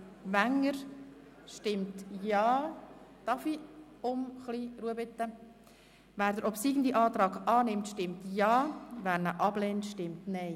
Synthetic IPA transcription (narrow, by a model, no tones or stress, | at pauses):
ʋæŋːəɾ | ʃtɪmtjɑːt̪ɑfi | ʊmχliɾuəbɪt̪ːə | ʋæːɾd̪əɾɔpsiːɡən̩d̪iʔɑːt̪ɾɑːɡɑːnɪmtʃtɪmtjɑːvæːnəʔɑb̥lɛːntʃtɪmtnɛɪ